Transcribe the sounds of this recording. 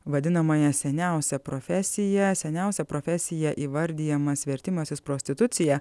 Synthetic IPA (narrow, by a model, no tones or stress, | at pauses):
ʋɐd̪ʲɪnɐmɐjɛsʲɛnʲæˑʊsʲɛpɾofʲɛsʲɪjɛsʲɛnʲæˑʊsʲɛpɾoːfʲɛsʲɪjɛʔiːʋɐɾʲd̪ʲiːjɛmɐsʋʲɛɾʲt̪ʲɪmɐsʲɪspɾoːsʲt̪ʲɪt̪ʊt̪sʲɪjɛ